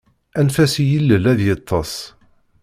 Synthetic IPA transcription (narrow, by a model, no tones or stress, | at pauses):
ænfæsjəlːəlæðjət̪ʰˤːɑsˤ